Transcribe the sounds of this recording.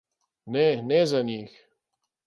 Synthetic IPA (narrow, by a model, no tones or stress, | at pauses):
nɛnɛzanʲix